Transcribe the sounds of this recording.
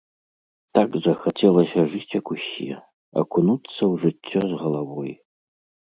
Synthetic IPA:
t̪ʰakzɐxat͡sʲɛlˠɐsʲɐʐɨt͡sʲɐkusʲḭ | ɐ̰kʰunut̪sːɐwʐɨt͡sʲʰːɔzʁɐlˠavɔj

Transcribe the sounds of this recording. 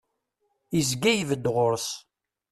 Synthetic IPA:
izɡæjvəd̪ʁʊɾs

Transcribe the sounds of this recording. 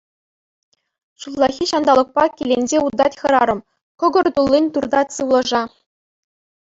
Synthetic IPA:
ɕuvlˠɑxʲiɕɑnd̪ɑlˠɤ̆k̚pɑkʲelʲenʲd͡ʑeud̪ɑtʲxɤ̆ɾɑɾɤ̆m | kɤ̆ɡɤ̆rt̪ulʲˠːinʲt̪urd̪ɑtʲsɯʋlˠɤ̆ʐɑ

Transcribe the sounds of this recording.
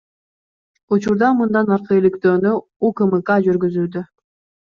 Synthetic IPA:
ut͡ʃuɾd̪ɑmɯnd̪ɑnɑɾqɯelikt̪øːny | ukɯmɯkɑd͡ʒyɾɡyzyːd̪ø

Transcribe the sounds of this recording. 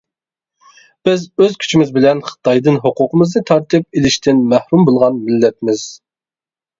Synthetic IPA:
b̥ɪzøzkʲʰy̥t͡ʃʰimɪzbɪlɛnχə̥t̪ʰɑjd̪ɨnɦoqʊqəmɨznɨt̪ʰɑɾt̪ɨp̚elɪʃt̪ʰɪnmæhɾumbolˠʁɑnmɪlːɛp̚mɪz̥

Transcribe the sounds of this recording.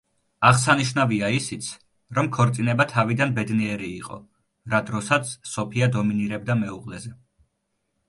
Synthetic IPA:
aʁsaniʃnaviaisit̪sʰ | ɾɔmkʰɔɾt̪sʼinɛbat̪ʰavid̪anbɛd̪niɛɾiːqʼɔ̰ | ɾad̪ɾɔsat̪sʰsɔpʰiad̪ɔminiɾɛb̚d̪amɛuqʼlɛzɛ

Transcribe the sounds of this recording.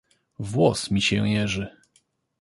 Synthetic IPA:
vwɔsmʲiɕɛ̃jɛʐɘ

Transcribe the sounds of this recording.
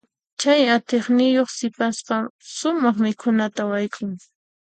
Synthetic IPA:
t͡ʃajat̪eχnɪjoχsɪpaspaʃʊmɑχmɪkʰʊnat̪awajkʰʼʊŋ

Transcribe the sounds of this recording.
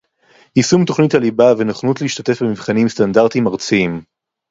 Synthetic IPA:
isumt̪o̞χnitalibavenaχnutleiʃt̪ate̞fbemivχanimstandaʁt̪imaʁt͡siim

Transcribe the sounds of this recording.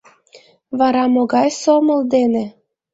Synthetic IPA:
βɑɾɑmoɡɑjsomɤld̪ene

